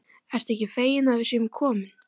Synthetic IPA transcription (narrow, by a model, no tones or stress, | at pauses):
ɛr̥t̪ɛhcɪfeːjɪnaðvɪsʏkʰɔːmɪn